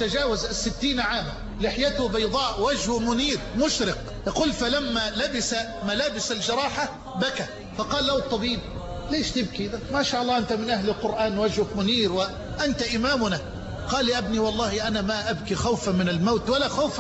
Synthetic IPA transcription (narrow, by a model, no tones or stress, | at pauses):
t̪ad͡ʒaːwazasːɪt̪ːiːnʕaːma | lɪħjat̪ʊbɑjd̪ˤɑːʔwad͡ʒhʊmʊniːɾmʊʃɾɪq | jɑquːlfalamːalabɪsa | malaːbɪsald͡ʒɑɾˤɑːħa | baka | fɑqɑːlːawt̪ˤːɑbiːb̚ | leːʃt̪ɪb̚kid̪amaʃaːʔɑlˤːɑːʔɪnt̪amɪnʔahlɪlqʊɾʔaːnwad͡ʒhʊkmʊniːɾwɪ | ʔant̪aʔɪmaːmʊna | qɑːlːɪʔabniwɑlˤːɑːhiʔanamaʔabkixawfamɪnalmawt̪walaxawf